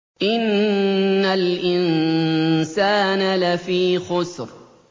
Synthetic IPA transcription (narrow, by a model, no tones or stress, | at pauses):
ʔɪnː | alʔɪn | saːnalafiːxʊsɾ